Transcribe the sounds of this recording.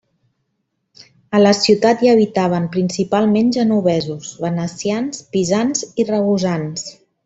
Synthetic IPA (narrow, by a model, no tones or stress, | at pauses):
ələsiwt̪at̪jaəβ̞it̪aβ̞əmpɾinsipalˠmenʒənuβɛzuzβənəsianspizanzirəɣuzans